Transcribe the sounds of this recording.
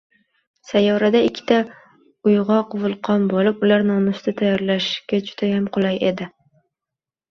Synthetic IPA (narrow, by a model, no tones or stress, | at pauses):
sajɒɾad̪aɪkʲʰːɪ̥t̪a | ʊjʁɒqvʊlˠqʰɒnbɒlɪpʊlaɾnɒmɪsɪd̪at̪ʰajɒɾlaʃkʲad͡ʒʊ̥d̪ajamqʰʊlˠaje̞d̪ɪ